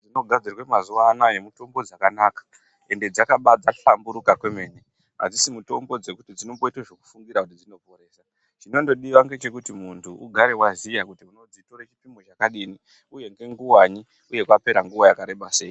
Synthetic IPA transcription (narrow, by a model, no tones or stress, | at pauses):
d͡zino̞ɡʱad͡zirwemazuʋanaje̞muto̞mbo̞d͡zakanaːkḁ | e̞nde̞d͡zakaɓad͡zaɬambuɾukakwe̞me̞ːne̞ | a̰d͡zisimuto̞mbo̞d͡ze̞kutid͡zino̞mboitaʐoku̥fuŋɡiɾakut̬id͡zino̞po̞ɾe̞ːsa | t͡ʃino̞ndo̞ɗiʋaŋɡe̞t͡ʃe̞kutimuntʰuʔuɡʱaɾe̞wazijakutiuno̞d͡zito̞ɾet͡ʃipimo̞t͡ʃakaɗiːni | uje̞ŋɡe̞ŋɡuwaɲi | uje̞kwape̞ɾaŋɡuwojakaɾe̞ɓase̞ːji